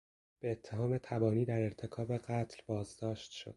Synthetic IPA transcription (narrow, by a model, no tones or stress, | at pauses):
b̥e̞ːt̪ʰːe̞ɦɒːme̞t̪ʰæbɒːniːd̪æɾeɾt̪ʰe̞kʰɒːbe̞ɢæt̪ʰlbɒːzd̪ɒːʃt̪ʃo̰d̪̥̚